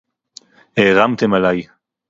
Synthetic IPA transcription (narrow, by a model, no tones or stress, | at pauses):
heʁamt̪emalaj